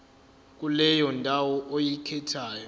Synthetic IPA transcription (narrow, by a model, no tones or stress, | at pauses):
k̬ʼulɛjɔntʼawɔʔojikʰɛtʰaːjɔ